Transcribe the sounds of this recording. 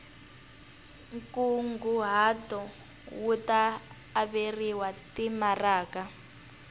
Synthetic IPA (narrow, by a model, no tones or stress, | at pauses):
ŋkuŋɡuɦatɔ | wutaː | βeriwatimaraːka